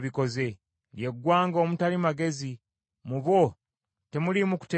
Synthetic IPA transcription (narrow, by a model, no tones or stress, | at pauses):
βiko̞ze̞ | lje̞ɡwaːŋɡo̞ːmutalimaɡe̞zi | muβo̞ | te̞mulimuku̥te